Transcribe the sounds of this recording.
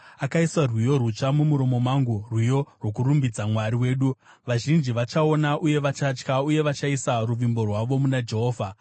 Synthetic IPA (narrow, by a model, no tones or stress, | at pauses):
akaisarwijo̞rut͡ʂamumuɾo̞mo̞maŋɡurwijo̞rwo̞kurumbid͡zamwaɾiwe̞ːɗu | ʋaʒind͡ʒiʋat͡ʃao̞naʔuje̞ʋat͡ʃat͡ʃkauje̞ʋat͡ʃaisaruʋimbo̞rwaʋo̞munad͡ʒe̞ɦo̞ːvʱa